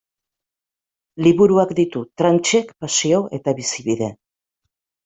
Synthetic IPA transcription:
liβuɾuakd̪it̪ut̪ɾant͡ʃe̞kpasioʔe̞t̪aβisiβiðe̞

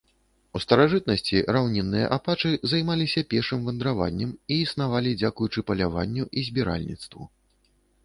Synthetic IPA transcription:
ust̪ɐɾaʐɨt̪̚nɐsʲt͡sʲiɾawnʲɛnːɨjɐ̰ʔapat͡ʂɨzajmalʲisʲɐpʲɛrʂɨmvɐnd̪ɾava̰nʲːɛmiːsnavalʲid͡zʲakujut͡ʂɨpɐlʲavanʲːuʔizʲbʲiɾa̰lʲnʲḭt̪st̪vṵ

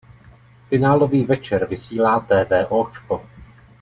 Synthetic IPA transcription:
fɪnaːlo̞viːvɛt͡ʃɛɾvɪsiːlaːt̪ɛːvɛːʔoːt͡ʃko

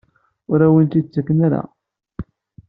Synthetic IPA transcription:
ʊɾæwənt̪id̪̚t͡sːækːnaɾa̰

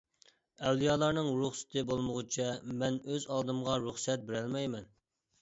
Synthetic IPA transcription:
ɛwlˠijɑːlˠɑɾnɨŋɾuχsɪ̥t̪ʰɨbolˠmʊʁʊt͡ʃʰɛmɛnøzɑlˠd̪ɨmʁɑɾuχsɛt̪̚bɪɾælmɛjmɛn

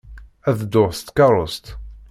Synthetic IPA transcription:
æðd̪ʊʁst̪kɑɾˤost̪

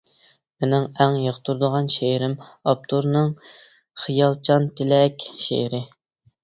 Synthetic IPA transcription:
menɪŋæŋjəχt̪ʰuɾd̪əʁɑnʃeɾɪmɑp̚t̪ʰuɾnɨŋ | χijɑlˠt͡ʃʰɑnt̪ʰɪlɛkʲʃḛɾɪ

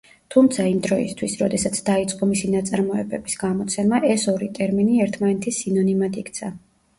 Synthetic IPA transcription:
t̪ʰumt̪sʰaimd̪ɾɔḭst̪ʰwisɾɔd̪ɛsat̪sʰd̪ait̪sʼqʼɔmisinat̪sʼaɾmɔɛbɛbisɡ̥amɔt̪sʰɛnmaʔɛsɔɾit̪ʼɛɾminiɛɾt̪ʰmanɛt̪ʰisinɔnimad̪ʰikʰt̪sʰa

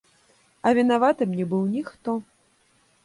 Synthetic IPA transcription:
ɐvʲinavat̪ɨmnʲɛbɨwnʲixt̪ɔ

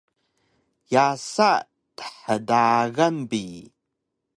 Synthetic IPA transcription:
jasa | tə̥ħədaɣɐmbi

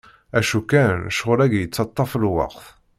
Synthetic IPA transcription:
æʃukːænʃʁʊɾæɡjət͡sːɑt̪ˤːɑfəlwɑ̰qθ

